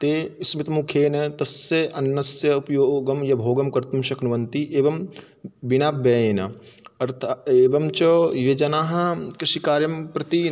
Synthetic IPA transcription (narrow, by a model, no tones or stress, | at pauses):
t̪eismit̪mukʰeːnɐt̪ɐsjeʔɐnːɐsjɐupjoːɡɐmjɐbʱoːɡɐmkɐɾt̪ɐmʃɐknuʋɐnt̪iʔeːʋɐm | binaːp̚beːeːnɐ̰ɐɾt̪ʰaeːbɐmt͡ʃɐjed͡ʒɐnaːɦɐkɾiʃikaːɾjɐmpɾɐt̪i